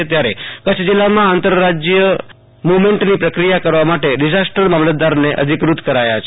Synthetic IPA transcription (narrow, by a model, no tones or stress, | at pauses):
et̪jaɾekət͡ʃʰd͡ʒilːamãant̪əɾɾad͡ʒjə | muʋmẽɳʈnipɾəkɾijakəɾʋamaʈeɖid͡ʒasʈəɾmamlət̪d̪aɾneʔə̰d̪ʱikɾut̪kəɾaja̰t͡ʃʰ